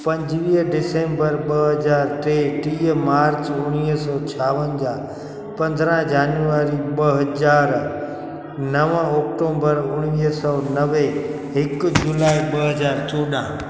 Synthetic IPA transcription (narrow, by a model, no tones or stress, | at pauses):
pə̃ɲd͡ʒʋiːɖɪsẽmbəɾɓəɦəd͡ʒaːɾt̪eʈimaːɾt͡ʃʊɽ̃isɔːt͡ʃʰaːʋənd͡ʒaː | pə̃nd̪ʱɾãd͡ʒaːnjuaːɾiɓəɦəd͡ʒaːɾ | nəʋãɔkʈõːmbəɾʊɽ̃ʋisɔnəʋe | ɪkd͡ʒulaːiɓəɦəd͡ʒaːɾt͡ʃoːɗã̰